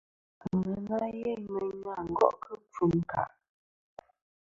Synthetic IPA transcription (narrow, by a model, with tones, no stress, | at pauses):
ŋə˨la˦je˦mə˨ɲwa˦˨ŋ̩˨ɡɔ̰˦ʔkʰə˦p͡fu˨˦ŋ˨ka̰˨ʔ